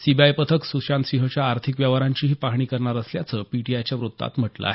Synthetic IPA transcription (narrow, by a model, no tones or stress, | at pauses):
sibajpət̪ʰəksuɕant̪sĩɦə̃t͡ɕjaːɾt̪ʰikʋjaʋaɾaɲt͡ɕiːɦiːpaɦɳ̃iːkəɾɳaɾəsljat͡səpiʈiajt͡ɕjaʋɾut̪ːa̰t̪m̤əʈlə̰a̰ɦe